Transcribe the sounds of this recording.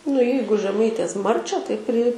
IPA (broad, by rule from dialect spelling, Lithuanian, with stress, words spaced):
nʊ ˈjɛɪɡʊ ʒʲɛˈmɐɪtʲeːs ˈmɐrʲt͡ʃʲæː tɐɪ pʲrʲɪ